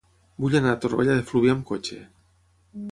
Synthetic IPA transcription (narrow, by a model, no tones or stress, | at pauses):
buʎanat̪oɾβḛʎaðefluβjamkot͡ʃḛ